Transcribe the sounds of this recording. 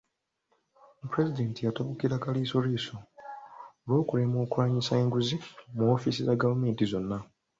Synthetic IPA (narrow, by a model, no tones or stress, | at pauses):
puɾe̞zide̞ːntijatoβukiɾakalisoɾisoː | lwo̞ːkulemo̞ːkwaːɲisaeːŋɡuzimuofisizaɡavume̞ːntizo̞nːa